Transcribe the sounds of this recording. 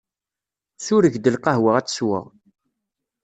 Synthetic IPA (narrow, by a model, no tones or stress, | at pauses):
θʊɾəʝd̪əlqɑɦwəʁæt͡sːə̥swə̰ʁ